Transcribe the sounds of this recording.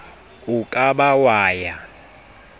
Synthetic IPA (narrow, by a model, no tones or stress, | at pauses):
ukʼaɓawaːja